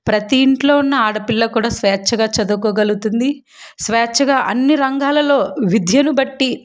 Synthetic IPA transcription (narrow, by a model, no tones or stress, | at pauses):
pɾɐt̪iːɳʈlo̞ːunːɐaːɽɐpilːɐkuːɽaːsʋɛːt͡ʃʰːɐɡaːt͡ʃɐd̪ukoːɡɐlɡut̪und̪i | sʋɛːt͡ʃʰːɐɡaːʔɐnːiɾɐŋɡaːlɐlo̞ːʋid̪ʱjɐnubɐʈːi